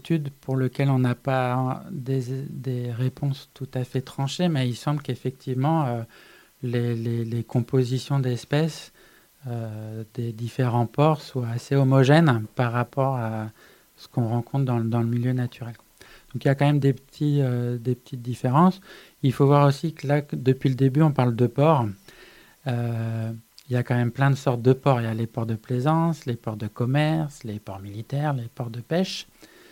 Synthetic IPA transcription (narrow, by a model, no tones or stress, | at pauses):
t̪ʰyd̪pʰuʁləkʲɛlɔ̃napad̪ed̪eʁepʰɔ̃st̪ut̪afɛt̪χɑ̃ʃemɛilsɑ̃bləkefɛk̚t̪ʰivmɑ̃ø | lelelekɔ̃pozisjɔ̃d̪ɛspɛs | ød̪̥ed̪ifeʁɑ̃pɔʁswaːseɔmɔʒɛnpaʁːapɔʁa | sə̥kɔ̃ʁɑ̃kɔ̃t̪χd̪ɑ̃ld̪ɑ̃ləmiljønat̪ʰyʁɛlkwa | d̪̥ɔ̃kiljakɑ̃mɛmd̪epət̪ʰiød̪epə̥t̪ʰit̪̚d̪ifeʁɑ̃s | ilfovwaʁosikəlakd̪əpɥiləd̪ebyɔ̃paʁld̪əpɔʁ | ø | iljakɑ̃mɛmplɛ̃d̪əsɔʁt̪̚d̪əpɔʁeljalepɔʁd̪əplezɑ̃slepɔʁd̪əkɔmɛʁslepɔʁmilit̪ɛʁlepɔʁd̪əpɛʃ